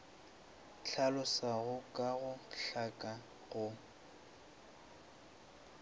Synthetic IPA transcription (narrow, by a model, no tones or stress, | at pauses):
t͡ɬʰalʊsaɣʊkʼaɣʊɬakʼa | ɣʊ